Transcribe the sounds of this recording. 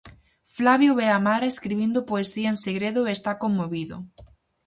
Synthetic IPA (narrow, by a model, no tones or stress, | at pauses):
flaβjoβeamaɾaeskɾiβind̪opoesiaenseɣɾeðoest̪akomːoβiðo̰